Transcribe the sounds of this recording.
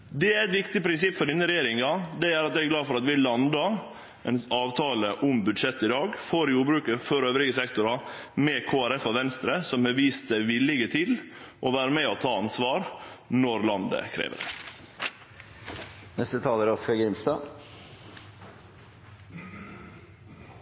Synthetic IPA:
d̪ɛæɾɛt̪ʋɪkt̪ɪpʰɾɪnsɪpːfɔɖinːəɾɛjeːɾɪŋɑd̪ɛæːɾɑt̪̚jɛɡɡlɑːfɔɾɑt̪ʋɪlɑnd̪ɑ | ɛnɑːʋt̪ʰɑːləʔʊmbʉd̪ʂɛt̪ːɪd̪ɑːɡfoːɾjuːbɾʉːkəfɔɾøːʋɾɪɡəsɛkt̪ʊɾɑmɛːkʰoːæɾɛfɔʋɛnst̪ɾəsɔmhɑʋiːst̪sæɪʋɪlɪɡət̪ʰɪl | ʔɔʋæːɾəmɛɔt̪ʰɑːɑnsʋɑːɾnɔɾlɑnd̪ə̰kʰɾḛːʋə̰ɖɛ̰ | nɛst̪ət̪ʰɑːləɾɔskɑɡɾɪmst̪ɑː

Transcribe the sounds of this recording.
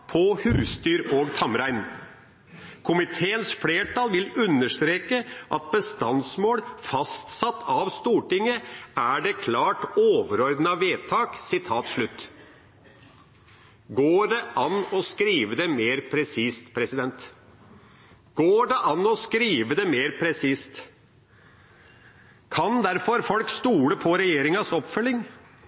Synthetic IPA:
pʰɔhʉːst̪yːɾoːɡt̪ʰɑmɾæɪn | kʰʊmɪt̪ʰeːənsfleːʈʰɑlʋɪlʉnːəʂt̪ɾeːkəʔɑ̰t̪̚bəst̪ɑnsmoːɽfɑst̪sɑt̪ʰːɑʋst̪uːʈɪŋəæɖɛkʰlɑːʈoːʋəɾɔɾd̪nɑʋeːt̪ʰɑːksɪt̪ʰɑːt̪ʂɭʉt̪ː | ɡoːɖɛʔɑnɔskɾiːʋəd̪ɛmeːɾpʰɾɛsiːst̪pʰɾɛsɪd̪ɛnt̪ | ɡ̥oːɖɛʔɑnːɔskɾiːʋəd̪ɛmeːɾpʰɾɛsiːst̪ | kʰɑnd̪æɾfɔɾfɔlkst̪uːləpʰɔɾɛjeːɾɪŋɑsɔpːfœlːɪŋ

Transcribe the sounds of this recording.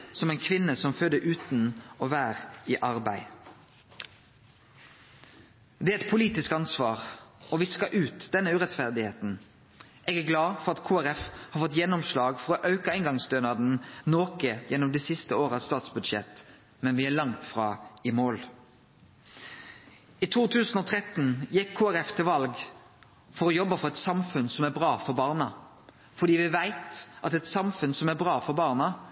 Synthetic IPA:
sɔmɛɪnkʰʋɪnːəsɔmføːd̪əʔʉːt̪n̩oːʋæːʁiːʔɑʁbæɪ | d̪ɛæɛt̪̚pʰʊliːt̪ɪskɑnsʋɑːʁɔʋɪskɑʔʉːt̪d̪ɛnəʉːʁɛt̪fæʁd̪ɪheːt̪n̩ | eːɡæːɡlɑːfɔʁɑt̪kʰuːæɾɛfhɑːɾfɔt̪jɛnɔmslɑːɡfɔʁɔːʔɑʉkɑɪŋɡɑŋsd̪øːnɑd̪n̩noːkəjɛnːɔmd̪iːsɪst̪əoːʁəɑst̪ɑːt̪sbʉd̪ʃɛ̰t̪ | mɛnʋɪælɑŋt̪fʁɑ̰ːɪmoːl | it̪ʰuːt̪ʰʉːsn̩ɔːt̪ʰɾɛt̪njɛkʰːoːæɾɛft̪ʰɪlʋɑlɡ | fɔɾɔjɔbːəfɔʁɔɛt̪sɑmfʉnsɔmæɾbʁɑːfɔɾbɑːʁnɑ | fɔɖ̪iːʋɪʋæɪt̪ʔɑt̪ɛt̪sɑmfʉnsɔmæɾbʁɑːfɔɾbɑːʁnɑ

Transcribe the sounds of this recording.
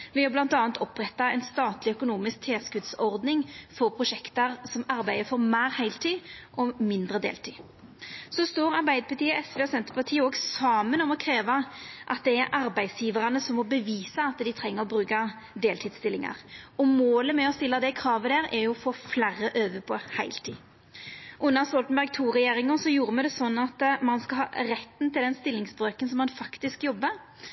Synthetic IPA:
ʋɪɑblɑnt̪ɑːnt̪ɔpːʁɛt̪ːɑɛɪnst̪ɑːt̪lɪœkʊnuːmɪsk̚t̪ʰeːskʉd̪sɔʁd̪nɪŋfɔɾpʰʁʊʂɛkt̪əɾsɔmɑɾbæɪəfɔɾmæːɾhæɪlt̪ʰiːʔɔmɪnd̪ʁəd̪ḛːlt̪ʰiː | sɔst̪oːɾɑɾbæɪd̪əpʰɑt̪ʰiːəɛsʋeːɔsɛnt̪əpɑt̪ʰiːəɔːɡsɑːmənɔmɔkʰɾeːʋɑʔɑt̪̚d̪ɛæɾʔɑɾbæɪdsjiːʋəɾɑnəsɔmːɔbəʋiːsɑɑt̪d̪ɪt̪ʰɾɛŋːəʁɔbɾʉːkɑ | d̪eːlt̪ʰiːd̪st̪ɪlːɪŋɑ̰ʁɔmoːləmɛɔst̪ɪlːɑd̪ɛkʰɾɑːʋəd̪æːɾɛɾjʊfoːflærəʔøːʋəpʰɔhæɪlt̪ʰḭː | ʔʉnːɑʁst̪ɔlt̪n̩bæɾɡ̚t̪ʰuːʁɛjeːɾɪŋəsɔjuːɾəmɛd̪ɛsɔnːɑt̪mɑnskɑhɑːʁɛt̪ːn̩t̪ʰɪld̪ɛnst̪ɪlːɪŋsbʁøːkənsɔmːɑnfɑkt̪ɪskjɔbːəɾ

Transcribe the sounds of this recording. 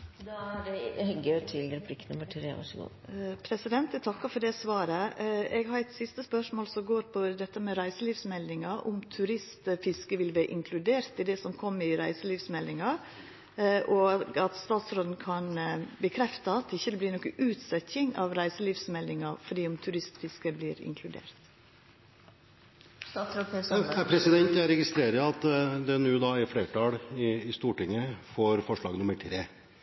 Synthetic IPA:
d̪ɖɛhɛɡt̪ʰɪlɾəpʰɾɪkːnʊməʈʰɾḛːʋɑ̰ʂəɡṵː | pʰɾɛsɪd̪ɛnt̪ɛɡt̪ʰɑkːɑfɔɖɛsʋɑːɾəɛɡhɑɾæɪt̪sɪst̪əspœʂmoːlsɔɡoːɾpʰɔd̪ɛt̪ːəmɛɾæɪsəliːʋsmɛld̪ɪŋɑʔʊmt̪ʰʉɾɪst̪fɪskəʋɪlʋæːɾʔɪŋkʰlʉd̪eːɾt̪ɪd̪ɛsɔmkʰɔmːɪɾæɪsəliːʋsmɛlːɪŋɑ | ʔɔɑt̪st̪ɑːt̪sɾoːd̪n̩kʰɑnbəkʰɾɛft̪əɑt̪ɪçːəd̪ɛbliːɾnɔkːəʔʉːt̪sœçɪŋɑ̰ʋɾæɪsəliːʋsmɛld̪ɪŋɑfɔɖ̪iːʊmt̪ʰʉɾɪst̪fɪskəbliːɾɪ̰ŋkʰlʉd̪ḛːɾt̪ | pʰɾɛsɪd̪ɛnt̪æɾɛɡɪst̪ɾeːɾəɑt̪d̪ɛnʉːd̪ɑːɪfɽeːʈɑːɽɪɪst̪uːʈɪŋːəfɔɾfɔʂɭɑ̰ːɡnʊməʈʰɾeː

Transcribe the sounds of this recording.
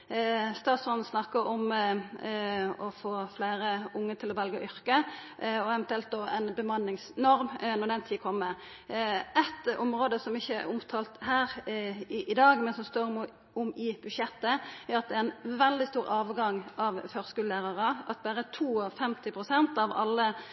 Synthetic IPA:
st̪ɑːt̪sfɔn̩snɑkːəɾɔm | ɔfoːfleːɾəʊŋːət̪ʰɪlɔʋɛlɡəɔ̰ʔʏʁkəɔɛʋɛnt̪ʉɛlt̪̚d̪oːɛnbəmɑnːɪŋsnɔɾmnɔʁd̪ɛnt̪ʰiːkʰɔmːə | ʔɛt̪ɔmʁoːd̪əsɔmɪçːəæʊmt̪ʰɑːlt̪hæːʁ | ʔɪd̪ɑːɡmɛnsɔmst̪oːɾm | ʊmɪb̥ʉd̪ʃɛt̪ːəæɾɑt̪̚d̪ɛæɛnʋɛld̪ɪst̪uːɾɑːʋɡɑŋɑʋføːʁskʉːllæːʁɑʁəɑt̪̚bæːɾət̪ʰuːɔfɛmt̪ɪpʰʁʊsɛnt̪ɑʋɑ̰lːə

